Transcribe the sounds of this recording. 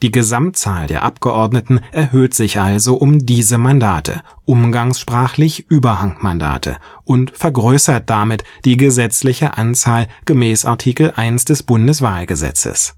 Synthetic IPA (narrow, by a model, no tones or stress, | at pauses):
d̥iːɡəzamtt͡saːldḛːɐʔapɡ̥əʔɔɐdnətn̩ʔɛɐɦøːtz̥ɪçʔalzoʔʊmdiːzəmandaːtʰə̰ | ʔʊmɡaŋsʃpʁ̥aːχlɪçʔyːbɐhaŋmanda̰ːtʰə̰ | ʔʊntfɛɐɡʁøːsɐt̚d̥amɪtd̥iːɡəzɛt͡slɪçəʔant͡saːlɡ̥əmɛːsa̰ɐtʰiːkl̩ʔaɪnsd̥ɛsb̥ʊndəsv̥aːlɡəzɛ̰t͡sə̰s